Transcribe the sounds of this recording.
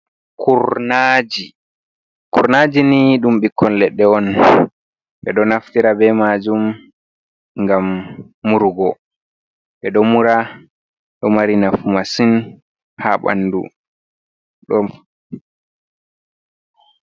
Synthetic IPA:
kʰuɾnad͡ʒi | kuɾnaːd͡ʒiniɗumɓikʰːɔnlɛɗːɛɔn | ɓɛɗɔnaftiɾabɛmad͡ʒum | ŋɡamː | uɾɡɔ | ɓɛɗɔmuɾa | ɗɔmaɾinafumasin | haɓa̰ndṵ | ɗɔ

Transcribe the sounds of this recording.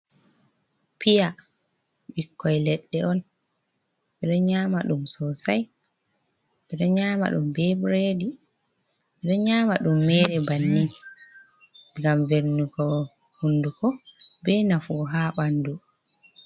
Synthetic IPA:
pija | ɓikːɔjlɛɗːɛɔn | ɓɛɗɔɲaːmaɗumsɔsaj | ɓɛɗɔɲaːma̰ɗumbɛbɾedi | ɓɛɗɔɲaːmaɗumːɛːɾɛbanːi | ŋɡamveɾnukɔhundukɔbɛnafɔːɦaɓandu

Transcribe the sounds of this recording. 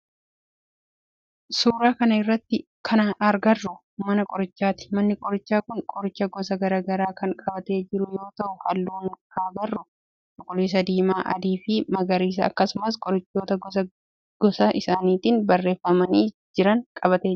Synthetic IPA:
suːɾaːkɐnɐɪrːɐt̪ːɪ | kʰɐnaɐɾɡɐrːʊ | mɐnɐkʼɔɾɪt͡ʃːaːt̪ɪ̥mɐnːɪkʼɔɾɪt͡ʃːaːkʊŋkʼɔɾɪt͡ʃːɐɡɔsɐɡɐɾaːɡɐɾaːkɐŋkʼɐbɐt̪e̞ːd͡ʒɪɾʊjo̞ːt̪ɐʔʊhɐlːuːnhaːɡɐrːʊ | t̪ɔkʼʊlis̬ɐd̪iːmaːʔɐ̰d̪iːfɪmɐɡɐɾiːs̬ɐɐ̰kːɐsʊmɐs̬kʼɔɾɪt͡ʃːoːt̪ɐ | ɡ̥ɔsɐʔɪsaːniːt̪iːnbɐrːe̞ːfːɐmɐniː | d͡ʒɪɾɐŋkʼɐbɐt̪eː

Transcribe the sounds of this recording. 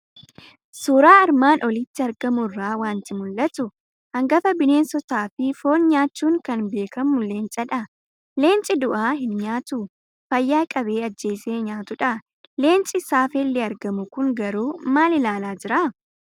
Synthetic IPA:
suːɾaːɐɾmaːnʔɔlɪt̪ːɪɐɾɡɐmʊrːaːwaːnt̪ɪmʊlːɐt̪ʊ | hɐŋɡɐfɐbɪne̞ːnsɔt̪aːfɪfo̞ːnɲaːt͡ʃːuːŋkɐnbe̞ːkɐmʊle̞ːnt͡ʃʼɐᶑɐ | le̞ːnt͡ʃʼɪd̪ʊʔaːhɪnɲaːt̪ʊ | fɐjːaːkʼɐbe̞ːɐd͡ʒːe̞ːse̞ːɲaːt̪ʊᶑɐ | le̞ːnt͡ʃʼɪsaːfɛlːɛɐɾɡɐmʊkʊŋɡɐɾuːmaːlɪlaːlaːd͡ʒɪɾaː

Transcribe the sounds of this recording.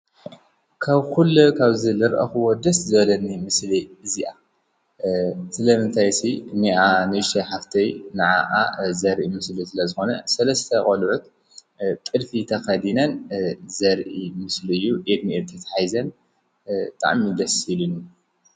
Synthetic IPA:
kʰaβkulːukʰaβzɨlɨɾʔɐ̰xuwod̪ɐszɨβɐlɐnːimɨsliɨziʔa | sɨlɐmɨnt̪ʰajsiniʔanɨʃɐħaft̪ʰɐjnɨʕaʔazɐɾʔimɨslisɨlɐzɨxo̞nɐsɐlɐst̪ʰɐkʼɐlʕut̪ | t̪ʼɨlfit̪ʰɐxɐd̪inɐnzɐɾʔʔimɨslɨjːuʔed̪miʔet̪ʰɐt̪ħajzɐn | t̪ʼa̰ʕmid̪ɐsilɨnu

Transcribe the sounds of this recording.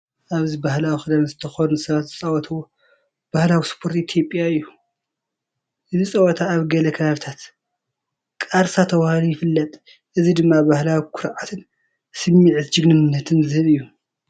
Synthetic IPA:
ʔaβzibahlawixɨd̪ɐmzɨt̪ʰɐxonunsɐβat̪zɨt͡sʼɐwɔt̪ʰɐwo | b̥ahlawispʰo̞ɾt̪it̪ʰjo̞pʼjaɨjːu | ʔɨzit͡sʼɐwɔt̪ʰaːβɡɐlɐkʰɐβaβɨt̪ʰat̪ | kʼaɾsat̪ʰɐwahalujɪfɨlːɐt̪ʼ | ʔɨzid̪ɨmːabahlawikʰʊɾʕat̪ʰɨn | sɨmːiʕɨt̪d͡ʒɨɡnɨnːɐt̪ʰɨnzɨhɨβɨjːu

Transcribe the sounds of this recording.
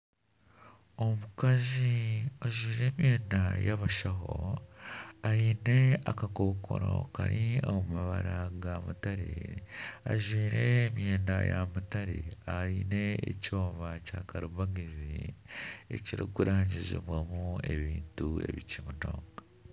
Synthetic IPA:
o̞mukazioʒwiːɾe̞ːmjeːnajaβaʃaɦo̞ | aiːne̞akako̞kʰo̞̰ɾo̰ka̰ɾioumaβaɾaɡamutaɾḛ | aʒwiːɾe̞mje̞ːnajamutaɾe̞aine̞ːco̞ːβacakaɾuβaɡizḭ | e̞ciɾikuɾaːɲɟizḭβwamue̞βiːntue̞̰βicimuno̞̰ːŋɡa

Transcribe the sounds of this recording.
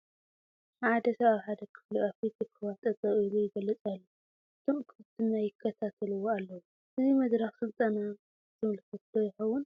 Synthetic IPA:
ʕad̪ɐsɐβaβħad̪ɐkʰɨ̥fliafit̪zɨkʰɐwat̪ʼɐt̪ʼɐɣʼilujɪɡɐlːɐt͡sʼalːu | ʔɨt̪ʰomkʰɨfɨt̪ʰːɨnːajɪkʰːɐt̪ʰat̪ʰɐlɨwoalːɐwu | ʔɨzimɐd̪ɾɐxsɨlt̪ʼɐnɐ | zɨmɨlkʰɐt̪̚d̪ojɪxɐwːʊn

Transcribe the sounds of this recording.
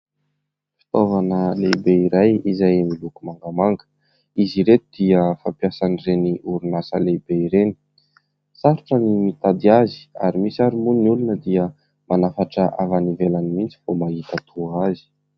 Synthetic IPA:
fi̥t̪ovanəlebeiɾajizajmilukumaŋɡamaŋɡə̥ | iziɾet̪ud̪̥iəfampjasanireniʔuɾunasə̰lebeiɾeni̥ | saɾuʈ͡ʂənimit̪ad̪iazi̥aɾimisaɾimunniulunəd̪iə | manafaʈ͡ʂəʔavanivelanimint͡si̥fomaɦit̪at̪ʰuazi̥

